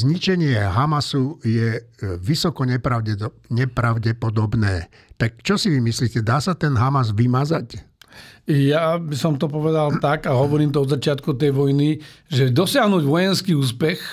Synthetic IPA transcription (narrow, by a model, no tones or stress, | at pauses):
zɲit͡ʃɛɲɪɛɦamasujɛʋisɔkɔɲɛpɾaʊɛ | ɲɛpɾaʊɟɛpɔd̪ɔbnɛː | t̪ak̚t͡ʃɔsiʋimisliːcɛd̪aːsat̪ɛnɦamazʋimazac | jabisɔmt̪ɔpɔʋɛd̪alt̪akaɦɔʋɔɾiːmt̪ɔɔd̪zat͡ʃɪat̪̚kut̪ɛjʋɔjniʒɛd̪ɔsɪaɦnuːɟʋɔjɛnskiːuːspɛx